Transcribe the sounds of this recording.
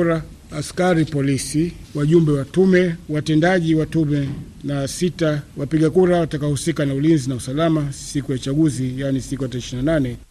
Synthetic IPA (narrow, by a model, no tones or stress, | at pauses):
ɾa | askaɾipɔlisiwaʄumbɛwatumɛwatɛndaʄiwatumɛ | nasitawapiɠakuɾawatakahusikanaulinzinausalamasikujaut͡ʃaɡuzijanisikujataɾɛʃinananɛ